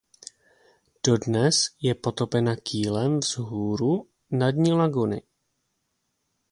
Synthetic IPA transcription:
d̥o̞dnɛsjɛpo̞t̪o̞pɛnakʰiːlɛmvzɦuːɾu | nadɲilaɡunɪ̰

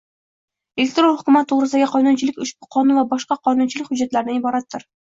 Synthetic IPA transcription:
elʲek̚t̪ɾonhʊkʲʊmæt̪ʰːoʁɾɨzd̪æɡʲæqʰɒjnunt͡ʃʰɪlɪkʲʊʃpuqʰɒnunvabɒʃqɑqʰɒjnunt͡ʃʰɪlɪkʲhʊd͡ʒːat̪læɾnɪibɒɾat̪ːɪɾ

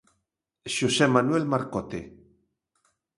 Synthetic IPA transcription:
ʃosemanwelmaɾkot̪ḛ

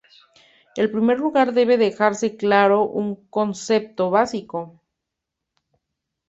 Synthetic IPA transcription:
e̞lpɾime̞ɾluɣaɾðe̞β̞e̞ðe̞xaɾse̞klaɾo̞ʔuŋko̞nse̞p̚t̪o̞βasiko̞

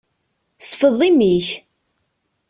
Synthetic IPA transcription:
sfəðˤimiç

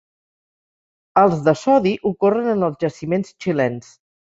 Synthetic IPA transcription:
əlˠzðəsɔðiʔukorənənəlˠzʒəsimenst͡ʃilɛns

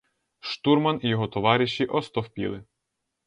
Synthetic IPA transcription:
ʃt̪urmɐnijɔɦɔt̪ɔʋɑɾʲɪʃːiʔɔst̪ɔwpʲḭlˠɪ

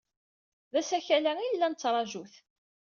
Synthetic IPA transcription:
ðæsæçælæilːænət͡sːɾˤɑʒuθ

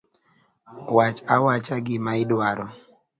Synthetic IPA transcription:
wat͡ʃawat͡ʃaɡɪmaɪdwaɾɔ

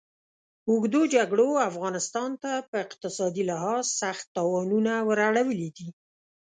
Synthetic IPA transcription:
ʊɡd̪od͡ʒaɡɽoafɣɑnɪst̪ɑnt̪apəɪqt̪ɪsɑd̪ilɪɦɑzsaxt̪ːɑwɑnunawəɾaɽawəlid̪i

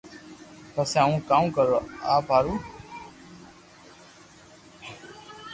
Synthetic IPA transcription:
p̪əseãũːkaːũːkəɾoːaːpaːɾuː

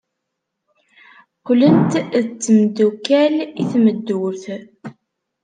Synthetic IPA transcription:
qʊlənt̪ðt͡sːəmd̪ukæliθməd̪ːuɾθ

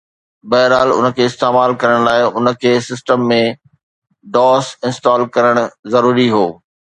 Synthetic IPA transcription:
bɐɦɪɾaːlʊ̰nə̆kʰeːɪst̪eːmaːlkɐɾəɽ̃laːɪʊnə̆kʰeːsɪsʈəmːẽ | ɖɔːsɪ̃nsʈaːlkɐɾəɽ̃ʊzɐɾuːɾiɦoː

